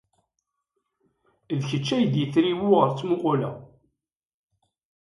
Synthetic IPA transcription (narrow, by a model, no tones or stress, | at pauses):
ðçət͡ʃːæjəd̪jəθɾiwʊʁəɾt͡sːmʊqʊlæ̰